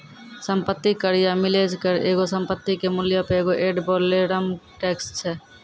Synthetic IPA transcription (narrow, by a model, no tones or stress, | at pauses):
səmpət̪ːikəɾijamɪleːd͡ʒkəɾḛːɡosəmpət̪ːikemʊljapeeːɡoʔeːɖboːleɽəmʈɛːkst͡ʃʰɛː